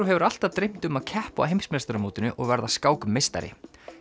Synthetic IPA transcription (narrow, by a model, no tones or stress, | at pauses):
uɦɛvʏɾal̥t̪avt̪ɾejm̥t̪ʏmaðcʰɛhpʊa̰ɦejmsmɛst̪ɾʏmuːt̪ɪnʏʔɔɣvɛɾðaskaːwkʏmːejst̪a̰ɾɪ̰